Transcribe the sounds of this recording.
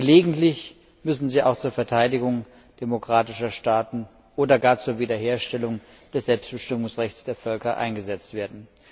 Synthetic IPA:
ɡ̥əleːɡŋ̩tlɪç | mʏsn̩ziːʔa̰ʊxt͡suːɐfɛɐtʰaɪdɪɡʊŋ | d̥emokʁ̥aːtɪʃɐʃtaːtn̩ | ʔoːdɐɡaːɐt͡suːɐviːdɐɦeːɐʃtɛlʊŋ | d̥ɛsz̥ɛlpstb̥əʃtɪmʊŋsʁɛçt͡sd̥eːɐfœlkɐʔa̰ɪnɡəzɛt͡stv̥eːɐdn̩

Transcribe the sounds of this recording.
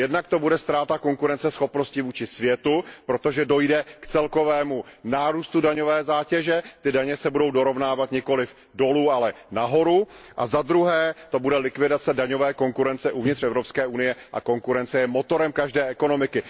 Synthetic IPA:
jɛdnakt̪o̞budɛst̪ɾaːt̪ako̞ŋkuɾɛnt͡sɛsxo̞pno̞scɪvuːt͡ʃɪsvjɛt̪upɾo̞t̪o̞ʒɛdo̞jdɛkt͡sɛlko̞vɛːmunaːɾuːst̪udaɲovɛːzaːcɛʒɛt̪ɪdaɲɛsɛbudo̞wdo̞ɾo̞vnaːvat̪ɲɪko̞lɪf | do̞luːalɛnaɦo̞ɾuʔa̰zad̪ɾuɦɛːt̪o̞budɛlɪkvɪdat͡sɛdaɲo̞vɛːko̞ŋkuɾɛnt͡sɛʔuvɲɪt̪rɛvɾo̞pskɛːʔunɪjɛʔa̰ko̞ŋkuɾɛnt͡sɛjɛmo̞t̪o̞ɾɛmkaʒdɛːɛko̞no̞mɪkɪ

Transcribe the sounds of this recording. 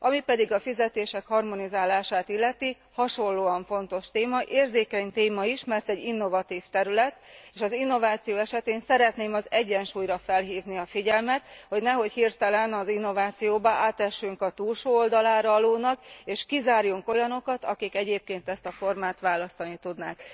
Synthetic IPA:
ɒmipɛd̪iɡɒfizɛt̪eːʃɛkhɒrmo̞nizaːlaːʃaːt̪ilːɛt̪i | hɒʃo̞llːoːɒɱfo̞nt̪o̞ʃt̪eːmɒʔeːrzeːkɛɲt̪eːmɒiʃmɛrt̪ɛɟːinːo̞vɒt̪iːft̪ɛɾylɛt̪eːʃɒzinːo̞vaːt̪sijoːɛʃɛt̪eːnsɛɾɛt̪neːmɒzɛɟːɛnʃuːjrɾɒfɛlɦiːvniɒfiɟɛlmɛt̪ho̞ɟnɛɦo̞chirt̪ɛlɛnɒzinːo̞vaːt̪sijoːbɒʔaːt̪ɛʃːyŋkɒt̪uːlʃoːold̪ɒlaːɾɒɒloːnɒkeːʃkizaːrjuŋko̞jɒno̞kɒt̪ɒkikɛɟeːp̚keːnt̪ɛst̪ɒfo̞rmaːt̪ʋaːlɒst̪ɒnit̪ud̪naːk

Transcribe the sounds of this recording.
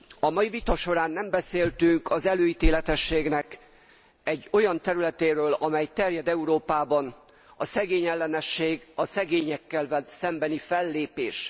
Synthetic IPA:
ɒmɒjivit̪ɒʃo̞ɾaːnːɛmbɛseːlt̪yŋkɒzɛløːit̪eːlɛt̪ɛʃːeːɡnɛk | ɛɟːo̞jɒnt̪ɛɾylɛt̪eːɾøːlɒmɛjt̪ɛrjɛd̪ɛuɾoːpaːbɒn | ɒsɛɡeːɲɛlːɛnɛʃːeːɡɒsɛɡeːɲɛkːɛlvɛsɛmbɛnifɛlːeːpeːʃ

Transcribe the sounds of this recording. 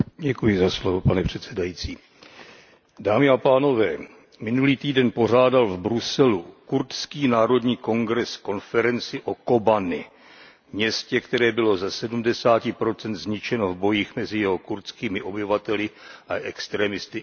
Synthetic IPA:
ɟɛkujɪzaslovopanɛpr̥ɛt̪sɛdajit͡siː | daːmɪapaːno̞vɛː | mɪnuliːt̪iːdɛnpo̞r̝aːdalvbɾusɛlukuɾt̪skiːnaːɾo̞dɲiːko̞ŋɡɾɛsko̞nfɛɾɛnt͡sɪʔo̞ko̞banɪ | mɲɛscɛkt̪ɛɾɛːbɪlo̞zasɛdumdɛsaːcɪpɾo̞t͡sɛnt̪zɲɪt͡ʃɛno̞vbo̞jiːxmɛzɪjɛɦo̞kuɾt̪t͡skiːmɪʔo̞bɪvat̪ɛlɪʔaʔɛkst̪ɾɛmɪst̪ɪ

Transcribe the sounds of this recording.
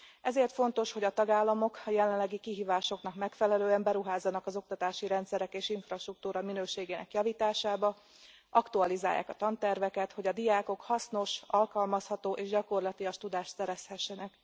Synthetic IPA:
ɛzeːrt̪fo̞nt̪o̞ʃho̞ɟɒt̪ɒɡaːlːɒmo̞kɒjɛlɛnlːɛɡikiɦiːvaːʃo̞kn̪ɒkmɛkfɛlɛløːɛmbɛɾuɦaːzːɒnɒkɒzo̞k̚t̪ɒt̪aːʃiɾɛnt̪sɛɾɛkeːʃiɱfrɒʃt̪ruk̚t̪uːɾɒminøːʃeːɡeːnɛkjɒviːt̪aːʃaːbɒ | ʔɒkt̪uɒliza̰ːjːa̰ːkɒt̪ɒnt̪ɛrvɛkɛt̪ho̞ɟɒd̪ijaːko̞khɒsno̞ʃɒlkɒlmɒshɒt̪oːʔeːʒɟɒko̞rlɒt̪iɒʃt̪ud̪aːʃt̪sɛɾɛshɛʃːɛnɛk

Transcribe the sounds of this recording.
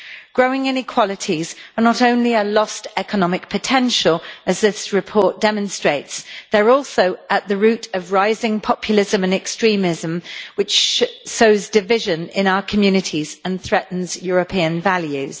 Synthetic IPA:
ɡ̥ɹəʊɪ̃ŋɪ̃nɪkʰw̥ɒlɪtʰizənətə̃ʊ̃nliəlɒstɛkənɒmɪk̚pʰətʰɛ̃nʃəlˠəzðɪsɹɪpʰɔˑʔ̚d̥ɛmə̃nstɹ̥eɪtsðəɹɔˑlˠsəʊʔəʔðəɹʉˑtəvɹaɪzɪ̃ŋpʰɒpʰjəlɪzə̃mə̃nɛkstɹ̥ĩːmɪzə̃mwɪt͡ʃsoʊzdɪvɪʒə̃nɪ̃naʊəkʰəmjʉːnɪtʰiz̥ə̃nθɹɛʔn̩zjɔːɹəpʰiə̃nvaljʉz̥

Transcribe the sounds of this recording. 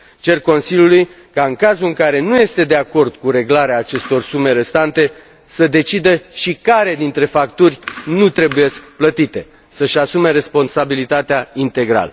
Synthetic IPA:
t͡ʃe̞rko̞nsiljuluj | kaɨŋkazuɨŋkaɾe̞nuje̞st̪e̞d̪e̞ako̞rd̪̥kuɾe̞ɡlaɾeaːt͡ʃe̞st̪o̞rsume̞ɾe̞st̪ant̪e̞ | səd̪e̞t͡ʃid̪əʃikaɾe̞d̪int̪ɾe̞fakt̪urʲnut̪ɾe̞buje̞skplət̪it̪e̞ | səʃasume̞ɾe̞spo̞nsabilit̪at̪eaint̪e̞ɡɾa̰lə

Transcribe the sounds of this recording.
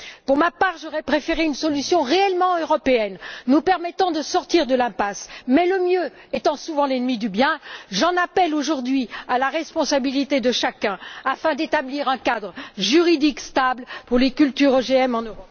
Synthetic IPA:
puʁmapaʁʒɔʁɛpχefeʁeynsɔlysjɔ̃ʁeɛlmɑ̃øʁɔpeɛnːupɛʁmɛt̪ɑ̃d̪əsɔʁt̪iʁd̪əlɛ̃pasmɛləmjø | et̪ɑ̃suvɑ̃lɛnmid̪ybjɛ̃ʒɑ̃napɛloʒuʁd̪ɥialaʁɛspɔ̃sabilit̪ed̪əʃakʲɛ̃afɛ̃d̪et̪abliʁɛ̃kad̪ʁʒyʁid̪ikst̪ablpuʁlekʲylt̪yʁoʒeɛmɑ̃nø

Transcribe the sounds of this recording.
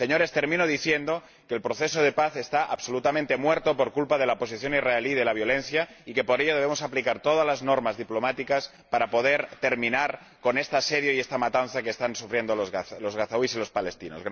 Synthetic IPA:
seɲo̞ɾe̞st̪e̞ɾmĩnoðiθjend̪o̞ | ke̞ːlpɾo̞θe̞so̞ð̞e̞paθe̞st̪aʔa̰βso̞lut̪amẽnt̪emweɾt̪o̞po̞ɾkulpað̞e̞laopo̞s̬iθjo̞niraeliðe̞laβ̞jo̞le̞nθjaike̞po̞ɾeʎo̞ðeβemosaplikaɾt̪o̞ð̞azlaznoɾmazðiplo̞mat̪ikas | paɾapo̞ðeɾt̪e̞ɾmĩnaɾ | ko̞ne̞st̪aseðjoiest̪amat̪anθakeːst̪ansufɾje̞nd̪olozlo̞zɣaθawisilo̞spale̞st̪inozɣ

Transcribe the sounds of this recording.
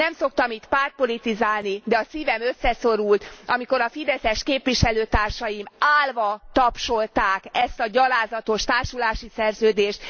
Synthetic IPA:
nɛmso̞k̚t̪ɒmit̪paːrt̪̚po̞lit̪izaːlnid̪ɛɒsiːvɛmø̞sːɛso̞ɾult̪ɒmiko̞ɾɒfid̪ɛsɛʃkeːpʋiʃɛløːt̪aːrʃɒjimaːlvɒt̪ɒpʃo̞lt̪aːkɛst̪ɒɟɒlaːzɒt̪o̞ʃt̪aːrʃulaːʃisɛrzøːd̪eːʃt̪

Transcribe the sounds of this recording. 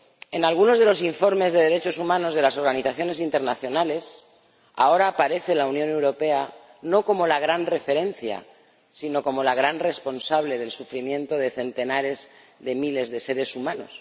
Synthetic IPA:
e̞nalɣ̞uno̞zðelo̞siɱfo̞ɾme̞zðe̞ð̞e̞ɾe̞t͡ʃo̞sumãno̞zð̞e̞lasoɾɣaniθaθjo̞ne̞sint̪e̞ɾnaθjo̞nale̞s | a̰o̞ɾaːpaɾe̞θe̞launjone̞wɾo̞pe̞a | no̞ko̞mo̞laɣ̞ɾanre̞fe̞ɾe̞nθja̰ | sino̞ko̞mo̞laɣ̞ɾanre̞spo̞nsaβle̞ðe̞lsufɾimjẽ̞nt̪o̞ðeθe̞nt̪e̞naɾe̞z | ðe̞mile̞zðe̞se̞ɾe̞sumãno̞̰s

